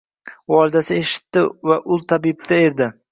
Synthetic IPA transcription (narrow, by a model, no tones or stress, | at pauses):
ɒɾd̪asɪe̞ʃɪ̥t̪ːɪvaʔʊlˠt̪ʰabib̚t̪ʰae̞ɾd̪ɪ